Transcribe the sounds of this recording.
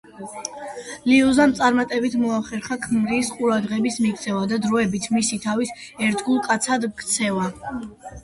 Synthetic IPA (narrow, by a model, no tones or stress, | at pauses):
liuzamt̪sʼaɾmat̪ʼɛbit̪ʰmɔaχɛɾχakʰmɾiːsqʼuɾad̪ʁɛbismik̚ʰt̪sʰɛvad̪ad̪ɾɔɛbit̪ʰmisit̪ʰavisɛɾt̪ʰɡulˠkʼat̪sʰad̪kʰt̪sʰɛva